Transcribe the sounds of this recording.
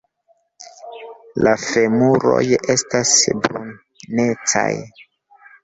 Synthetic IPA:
lafemuɾo̞̰je̞stasbun | net͡sa̰j

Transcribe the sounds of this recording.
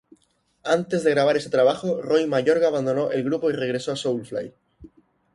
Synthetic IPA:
ant̪e̞zðeɣɾaβaɾeset̪ɾaβ̞axorojmaʝo̞ɾɣaːβand̪o̞noʔe̞lɣɾupo̞ire̞ɣɾe̞soasowlfla̰j

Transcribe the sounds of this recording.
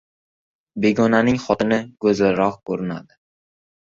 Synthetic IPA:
be̞ɡɒnanɪŋχɒt̪ɪnɪɡɵzɾɒχkʰɵɾɪna̰d̪ɪ

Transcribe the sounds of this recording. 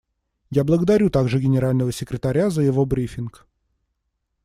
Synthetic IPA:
jablˠəɡəd̪ɐɾʲut̪aɡʐɨɡʲɪnʲɪɾalʲnəvəsʲɪkɾʲɪt̪ɐɾʲazəjɪvo̞bɾʲifʲɪnk

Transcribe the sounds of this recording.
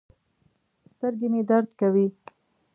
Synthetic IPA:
st̪əɾɡemed̪aɾd̪kawi

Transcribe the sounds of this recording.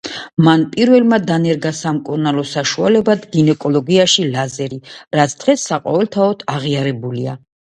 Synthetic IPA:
manpʼiɾvɛlmad̪anɛɾɡasamkʼuɾnalˠɔsaʃualɛbad̪ɡinɛkʼɔlɔɡiaʃilazɛɾiɾat̪sʰd̪̥ʁɛsːaqʼɔvɛlt̪ʰaɔd̪ʰaʁiaɾɛbulia

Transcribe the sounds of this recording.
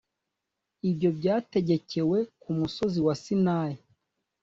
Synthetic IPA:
ibɟo̞bɟaːte̞ɟe̞ce̞we̞kumuso̞ziwasinaːji

